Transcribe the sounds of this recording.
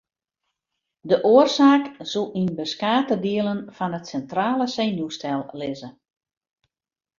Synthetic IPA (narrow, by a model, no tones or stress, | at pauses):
dəʔoərsaːksulˠinbəskaːtədiəlˠənfɔnətsɛntraːlˠəseːnustɛlˠlɪzə